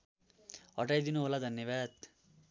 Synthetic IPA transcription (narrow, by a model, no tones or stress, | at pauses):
ɦʌʈajd̪inuɦolad̪ʱʌnjʌbad̪